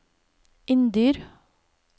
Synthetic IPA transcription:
ʔɪnd̪yːɾ

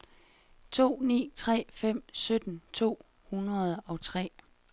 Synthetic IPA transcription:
t͡sʰo̝̰ːnḭːt͡sʰʁɛ̰ːfem̰sød̥n̩t͡sʰo̝̰ː | hunʁɐð̞̩ˠɒ̽t͡sʰʁɛ̰ː

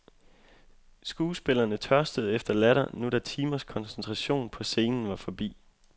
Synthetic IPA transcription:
sɡ̥uːsb̥e̝lɐnət͡sʰɶɐsd̥əð̩ˠefd̥ɐlæɾɐnuɾ̥æt͡sʰiːmɐskʰɒ̽nsent͡sʰʁɑɕo̝̰ːnpʰɒ̽se̝ːnn̩ʋɑ̈fɒ̽b̥ḭː

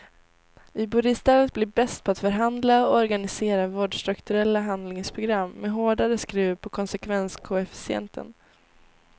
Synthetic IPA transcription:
ɪbʊɾɪst̪ɛːlət̪̚blɪbɛst̪̚pʰɔat̪fœɾɦand̪laɔɔɾɡanɪseːɾavoːɖʂt̪ɾɵkt̪ɵɾɛlːaɦand̪lɪŋspʰɾʊɡɾamːɛɦoːɖaɾəskɾʉ̟ːpʰɔkʰɔnsɛkʰvɛnskʰʊɛfɪ̥sɪɛ̰nt̪ʰə̰n

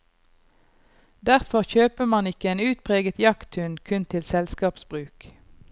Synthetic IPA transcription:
d̪æʁfɔʁçøːpəmɑnɪkəeːnʉːt̪̚pʰʁeːɡət̪jɑkt̪ʰʉnkʰʉnt̪ʰɪlsɛlskɑːpsbʁʉːk

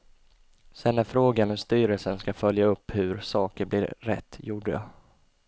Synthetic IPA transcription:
sɛnːæɾfɾoːɡanɔmst̪yːɾəlsənskafœljaɵpːhɵɾsɑːkəɾblɪɾːɛ̰t̪ːjuːɖəjɑ̰

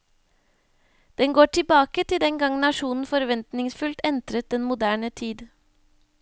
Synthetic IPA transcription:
d̪̥ɛnɡoːʈʰɪbɑːkət̪ʰɪd̪ɛŋɡɑŋnɑʃuːnn̩fɔɾʋɛnt̪nɪŋsfʉlt̪ɛnt̪ɾət̪̚d̪ɛnmʊd̪æːɳət̪ʰiːd̪

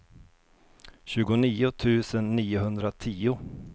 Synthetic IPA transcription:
ɕʉ̟ːɡʊniːʊt̪ʰʉ̟ːsənːiːʊɦɵnd̪ɾat̪ʰiːʊ

